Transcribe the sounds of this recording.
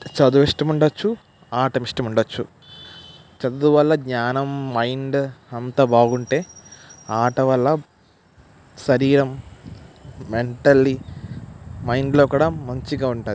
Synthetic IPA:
t͡ʃɐd̪uʋiʂʈɐmuɳɖɐt͡ʃːu | aːʈɐmiʂʈɐmuɳɖɐt͡ʃːu | t͡ʃɐd̪ud̪uʋɐlːɐɡɲaːnɐmːɐjɳɖɐnt̪ɐbaːɡuɳʈe̞ːaːʈɐʋɐlːɐ | sɐɾiːɾɐm | me̞ɳʈɐlːi | mɐjɳɖloːkuːɽamɐɲt͡ʃiɡaːuɳʈaːd̪i

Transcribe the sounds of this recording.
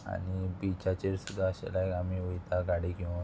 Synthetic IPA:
a̰ɽibit͡ɕat͡ɕeɾsud̪ʱːaəɕa̰lakamiʋujt̪aɡaɽiki

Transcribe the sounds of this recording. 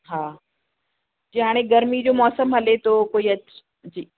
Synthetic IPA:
ɦaː | d͡ʑiɦaːɽ̃eɡɐɾmid͡ʑoːmɔːsəmɦɐlet̪oːkoːiɐt͡ɕ | d͡ʑiː

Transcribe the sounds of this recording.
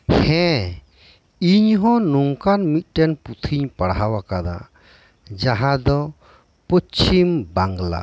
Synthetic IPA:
hɛ̃ | iɲɦɔ̃nuŋkanmit̪̚ˀʈɛnput̪ʰiɲpaɽɦawakad̪a̰ | d͡ʒaɦãd̪ɔ | pɔt͡ʃʰimbaŋɡla̰

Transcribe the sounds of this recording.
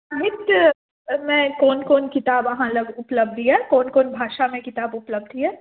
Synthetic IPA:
aɦɪt̪ | mɛ̃kɔːnkɔːnkɪt̪aːbɐɦãlɐɡʊpləb̚d̪ʱiɦɛːkɔːnkɔːnbʱaːʃamẽkɪt̪aːbʊpləb̚d̪ʱiɦɛː

